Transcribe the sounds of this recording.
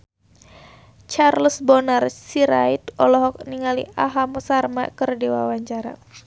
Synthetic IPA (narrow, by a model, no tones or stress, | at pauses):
t͡ʃarlsbɔnarsiɾait̪ɔlɔɦɔk̚niŋaliaɦamɔsarma̰ʔkərdiwa̰waɲt͡ʃaɾa̰